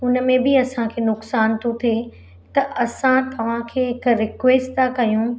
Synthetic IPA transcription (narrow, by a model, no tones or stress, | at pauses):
ʊnə̆mẽbɪɐsãkʰeːnʊksaːnt̪ʰot̪ʰe | t̪ɐʔɐsãt̪ɐʋ̤ãkʰeːɪkɾɪkʋeːsʈt̪ʰakɐjũ